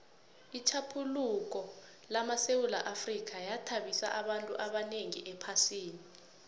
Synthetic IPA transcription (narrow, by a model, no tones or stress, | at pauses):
it͡ʃʰapʰuluk̬ɔ | lamasewula̰ʔafrik̬ʰajatʰaɓisa̰ʔaɓantʼuʔaɓaneŋḭʔɛpʰasiːni